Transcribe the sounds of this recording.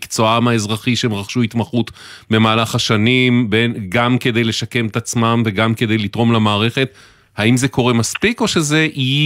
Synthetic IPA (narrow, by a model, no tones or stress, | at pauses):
kt͡so̞amaezʁaχiʃemʁaχʃuit̪maχut̪ | be̞maːlaχaʃanimbenɡamke̞d̪e̞jle̞ʃake̞met̪at͡smamve̞ɡamke̞d̪e̞jlit̪ʁo̞mlamaːʁe̞χe̞t̪ | haimzeko̞ʁe̞maspiko̞ʃe̞ze̞ʔi